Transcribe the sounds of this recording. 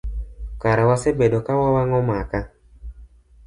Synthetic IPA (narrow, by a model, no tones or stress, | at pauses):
kaɾawasebedokawawaŋɔmaka